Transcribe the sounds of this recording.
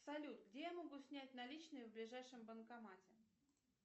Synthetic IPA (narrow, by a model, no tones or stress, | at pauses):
sɐlʲut̪ɡdʲejamoɡusʲnʲætʲnɐlʲit͡ɕnɨjəvblʲɪʐajʂɨmbənkɐmatʲɪ